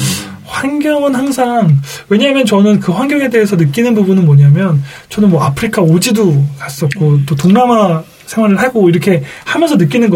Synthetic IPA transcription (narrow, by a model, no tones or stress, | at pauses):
ɸwaŋɡjʌŋɯnhaŋsʰaŋwe̞ɲamjʌnt͡ɕʌnɯnkɯɸwaŋɡjʌŋe̞de̞es̬ʰʌnɯk͈inɯnbubunɯnmʌɲamjʌn | t͡ɕʌnɯnmwʌapʰɯɾikʰaod͡ʑidokas͈ʌt̚k͈ot͈otoŋnama | sʰe̞ŋɦwaɾɯɭɦaɡoiɾʌkʰe̞hamjʌnsʰʌnɯk͈inɯnɡʌ